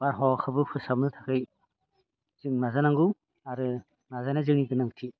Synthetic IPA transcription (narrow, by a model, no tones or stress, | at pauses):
baɾɦɔkʰɯbɯpʰɯsab̚nɯtʰakʰɯj | z̥ɯŋnazanaŋɡɯw | aɾɯ | nazajnazɯŋniɡɯnaŋtʰi